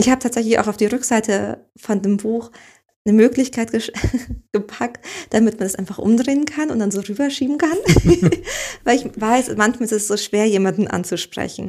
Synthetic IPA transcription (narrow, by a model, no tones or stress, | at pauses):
ʔɪçhaːbətʰaːtz̥ɛçlɪça̰ʊxaʊfd̥iːʁʏkz̥aɪtʰə | fɔndeːmbuːx | nəmøːklɪçkʰaɪtɡ̥əɡ̥əpʰaktd̥amɪtmanasʔa̰ɪnfaχʔʊ̰mdʁeːənkʰanʊntd̥anzoːʁyːbɐʃiːbm̩kʰan | vaɪlɪçvaɪsmançmaːlɛsɛsz̥oːʃv̥eːɐjeːmandn̩ʔa̰nt͡suʃpʁ̥ɛ̰çn̩